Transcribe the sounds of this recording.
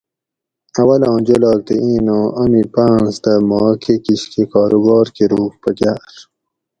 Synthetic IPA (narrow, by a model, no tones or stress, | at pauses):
ɐwɐlɑ̃ːd͡ʑolɑːk̚t̪eʔĩːnõːʔɐmipãːnsd̪əmɑːkʰekiɕkekɑːɾubɑːɾkeɾuːkpɐɡaːɾ